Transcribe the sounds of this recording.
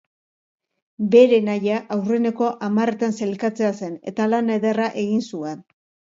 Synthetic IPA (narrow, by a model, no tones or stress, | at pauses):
be̞ɾe̞najaʔawre̞ne̞ko̞ʔamare̞t̪anse̞lkat͡sease̞ne̞̰t̪alaneðeraʔe̞ɣinsue̞n